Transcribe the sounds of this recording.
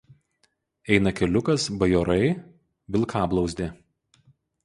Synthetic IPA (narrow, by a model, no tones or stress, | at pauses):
ɛɪnɐkʲɛlʲʊkɐsbɐjɔɾɐɪ | ʋʲɪlˠkʰɑːblˠɒʊzʲd̪ʲɪ